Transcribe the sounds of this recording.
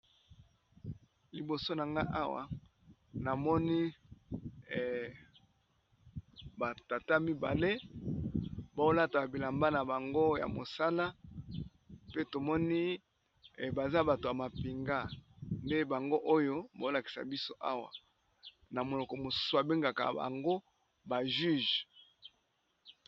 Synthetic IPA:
li˨bo˨so˦na˨ŋɡa̰˦ʔa˦wa̰˨ | na˨mɔ˦ni˦˨ | ba˨ta˨ta˦mi˦ba̰˨le˦ | ba˨o˦la˦ta˨a˨bi˨la˨mba˦na˨ba˨ŋɡo˦ja̰˨mo˨sa˦la˦ | pe˦to˨mɔ˦ni˦˨ | ba˨za˦ba˨to˨ja˨ma˨pi˨ŋɡa˦nde˦ba˨ŋɡo˦ʔo˦jo˦ba˨˦o˦la˨ki̥˨sa̰˨bi˦so˦ʔa˦wa̰˨ | na˨mo˨lɔ˨kɔ˨mo˨su̥˦su˨a˨be˦ŋɡa˨ka̰˨ba̰˨ŋɡo˦ | ba˨ʒy˦ʒ

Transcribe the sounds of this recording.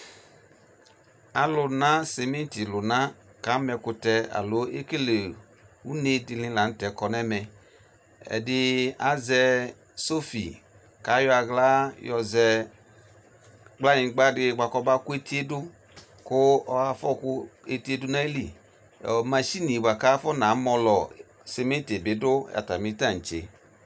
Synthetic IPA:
a˨lʊ˨na˦sɛ˨me˦n˦ti˨lʊ˨na˦ | ka˨˦mɛ˧kʊ˧tɛ˧a̰˨lo˨˦e˦ke˦le˨ | u˦ne˦di˧lĩ˧la˨n̩˦tɛ˨kɔ˨nɛ˦mɛ˨ | ɛ̰˨dɪ˦a˨˦zɛ˧ | so˦fḭ˨ | ka˨˦jɔ˦a˧ɡla˦jɔ˧zɛ˧ | ɡ͡bla˦ɲĩ˨˦ɡ͡ba˦dɪ˧˦ɡ͡ba˧kɔ˧ba˦ku˦e˦ti˦e˦dʊ˦ | kʊ˦ɔ˦a˧fɔ˦˨kʊ˦e˧ti˦e˦du˦na˦e˦li˨ | ɔ̰˨ma˨ʃi˦ni˨ba˨ka˦fɔ˦na˨˦mɔ˧lɔ˨ | se˧me˦te˨bɪ˨˦dʊ˦ja̰˨ta˨mi˦ta˦˨n̩˨t͡ʃḛ˨˦

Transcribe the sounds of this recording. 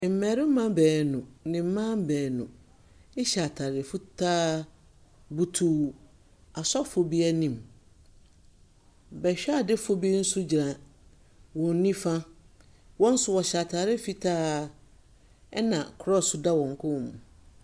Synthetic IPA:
m̩˨mɛ˨ɾɪ˦m˦mã˦bɛː˨nʊ̃˨nɪ̃˨m̩˦mã˦m˦bɛː˨nʊ̰̃˨ | ɪ˦ɕa˨tʰa˨ɾɪ˨fʊ˦tʰaː˦ | bu˦tʰuː˦ | a˨sɔ˦fʊ˨bi˦ɛ˦nĩ˨m | bɛ˨ɕᶣa˦˨dɪ˦fʊ˦bi˦n̩˦sʊ˦d͡ʑi˨ɾã˨ | wɔ̃˨n˦nĩ˦fã˦ | wɔ̃˦n̩˦sʊ˦wɔ˨ɕa˨tʰa˨ɾɪ˦fi˦tʰaː˦ | ɛ˦nã˨kʰɾɔ˦˨sʊ˦da˦wɔ̃˨ŋ˨kʰʊ̃˦˨mũ˨

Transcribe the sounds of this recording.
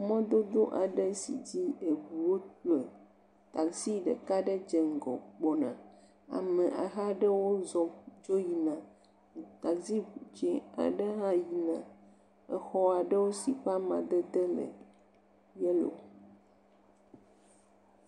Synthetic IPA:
mɔ̃˦d̪o˦d̪o˦ʔa˨ɖɛ˦si˨d͡ʑi˦e˨ɡu˨wo˦tle˨ | t̪a˨si˦ɖə̰˨ka˦ɖɛ˦d͡ʒɛ˨ŋ̩˨ɡɔ̰˨k͡pɔ˨nã̰˨ | a̰˨mɛ˨ʔa˨ɦa˦ɖɛ˦wo˦zɔ˨d͡ʒo˦ji˨nã˨ | t̪a˨zi˦u˨d͡ʒi˦a̰˨ɖɛ˦ɦã˦ji˨nã˨ | ɛ˨xɔ˦a˨ɖə˦wo˦si˨ɸa˦mã˨d̪ə˦d̪ɛ˦mḛ̃˨ | jɛ˦lo̰˨

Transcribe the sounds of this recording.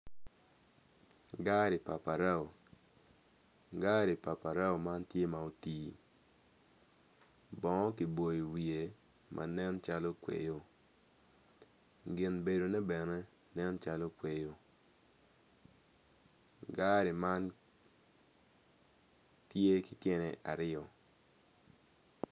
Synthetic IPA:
ɡa˦ɾi˨pa˨pa˨ɾa˦o˨ | ɡa˦ɾi˨pa˨pa˨ɾa˦o˨ma˦ntje˦ma˨o˨tiː˨ | bɔ˨ŋɔ˦ki˨bo˨i˨wi˨e˨ | mʔa̰˨nɛ˦nt͡ʃa˦lo˦kwḛ˨jo˨ | ɡɪ˨nbe˨do˨nɛ˦bɛ˨nɛ˦ | nɛ˦nt͡ʃa˦lo˦kwe˨jo˨ | ɡa˦ɾi˨ma˦n | tje˦kɪ˨tje˦nɛ˨ʔa̰˨ɾɪ˦ɔ˨

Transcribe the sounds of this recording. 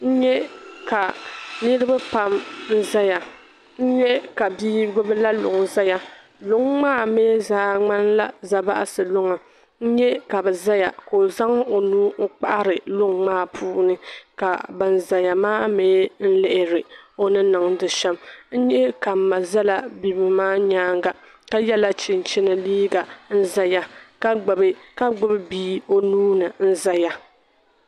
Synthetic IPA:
n̩˦ɲɛ˦ka˨nɨ˦ɾɨ˦ba˦pa˦mn̩˦za˦ja˨ | n̩˦ɲɛ˦ka˨biː˦ɡʊ˦bɨ˦la˦lʊ̰˨ŋza˦ja˨ | lʊ˨˦ŋː˦aː˦˨meː˦zaː˨˦ŋ͡ma˦nla˦za˨ba̰˦ʔa˦sɨ˨lʊ˦ŋa˨ | n̩˦ɲɛ˦ka˨bɛ˨za˦ja̰˨ko˨za˦ŋ˦o˨nuː˦ŋ̩˦k͡pa˦ʔa˦ɾɨ˨lʊ˦ŋŋ͡maː˦pʰuː˦nɨ˦ka̰˨bɨ˨n˨za˨ja˨maː˦meː˨˦n̩˦lɪ˦ʔɪ˦ɾɨ˨o˨nɨ˦nɨ˨ŋ˦dɨ˨ʃɛ˦mn̩˦ɲɛ˦ka˨m̩˨ma˨za˦la˦bi˦bɨ˨maː˦ɲaː˦ŋɡa˨ | ka˦jɛ˦la˦t͡ʃɪ˨n˨t͡ʃɪ˦nɨ˨liː˦ɡa˨n̩˦za˦ja˦ka˦ɡ͡bbka˦ɡ͡bʊ˦bbiː˦o˦nuː˦nɨ˨n̩˦za˦ja˦

